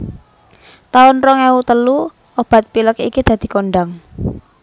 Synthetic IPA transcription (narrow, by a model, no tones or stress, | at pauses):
t̪aʊnrɔŋɛwut̪əlu | ob̥ä̤t̪̚piləkḭkid̪̥ä̤d̪̥i̤koɳɖaŋ